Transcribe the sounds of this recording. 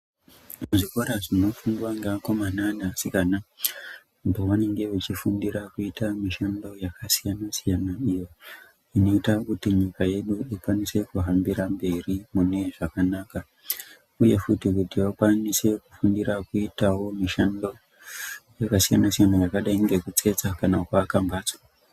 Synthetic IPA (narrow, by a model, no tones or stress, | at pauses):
muʐikoɾaʐino̞fundwaŋɡako̞mananasikana | mpoʋane̞ŋɡe̞ʋet͡ʃifundiɾakuitamiʃando̞jakasijanasijanaijo̞ | ino̞itakutiɲikaje̞ɗuikwanise̞kuɦambiɾambe̞rimune̞ʐakanaːka | uje̞futikutiʋakwanise̞kufundiɾakuitawo̞miʃando̞ | jakasijanasijanajakaɗaiŋɡe̞kut͡se̞t͡sakanakwaːkambaːt͡swa